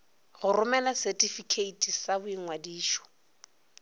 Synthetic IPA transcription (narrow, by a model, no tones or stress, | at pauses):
ɣʊrʊmɛlasɛtʼifikʰeitʰʼisabʊiŋŋwadiːʃɔ̥